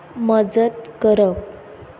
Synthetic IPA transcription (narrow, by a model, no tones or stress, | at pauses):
məd͡zət̪̚kəɾəʋ